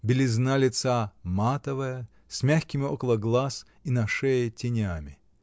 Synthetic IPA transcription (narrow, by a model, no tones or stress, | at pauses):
bʲɪlʲɪznalʲɪt̪samat̪əvɨjə | sʲmʲaxʲkʲɪmʲɪokəlˠəɡlˠas | inɐʂɛjɪtʲɪnʲamʲɪ